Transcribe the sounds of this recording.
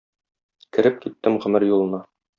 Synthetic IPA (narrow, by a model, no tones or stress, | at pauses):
kɘ̆ɾɘp̚kit̪ːɘmʁɵ̆mɘɾjulˠɤ̆nɑ